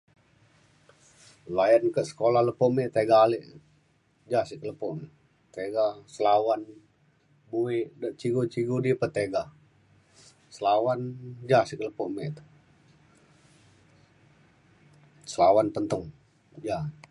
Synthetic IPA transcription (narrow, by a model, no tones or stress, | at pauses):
lajənkəsə̥kolahləpɔʔmet̪eɡaːliʔ | d͡ʒasikələpɔʔm | t̪eɡasəlawan | buiʔdaʔt͡ʃiɡot͡ʃiɡudipət̪eɡa | səlawand͡ʒasikələpɔmeʔt̪ | səlawanp̪ənt̪ʊŋ | ja